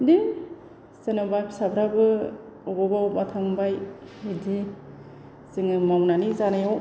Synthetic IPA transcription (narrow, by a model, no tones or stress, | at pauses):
dim | senabapʰsabɾabɯ | ɔɡɔbawbatʰaŋbajidi | zɯŋɯmawnanizanajaw